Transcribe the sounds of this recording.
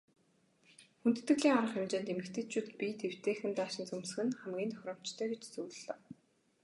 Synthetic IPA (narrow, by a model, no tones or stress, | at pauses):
xunt̪ɘ̆t̪ɘ̆ɣɮiːŋaɾə̆χemt͡ɕeːnt̪emɘ̆kt̪ʰɘ̆t͡ɕʰuːt̪pʲit̪ʰew̥t̪eːxɘ̆nt̪aːʃɪ̆nt͡sumsɘ̆xɘ̆nχæmɡʲiːnt̪ʰœ̥xʲɾɞ̆m̥t͡ɕt̪ʰœːɡet͡ɕt͡suːɮɔː